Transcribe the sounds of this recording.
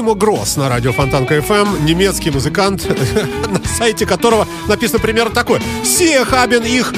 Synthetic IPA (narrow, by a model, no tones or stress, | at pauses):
ɪməɡɾo̞̰snɐɾadʲɪofɐnt̪ankəɛfɛmnʲɪmʲe̞t̪skʲɪjmʊzɨkant̪nɐsajtʲɪkɐt̪o̞ɾəvə | nɐpʲisənəpɾʲɪmʲe̞rnət̪ɐko̞jəfsʲexabʲɪnix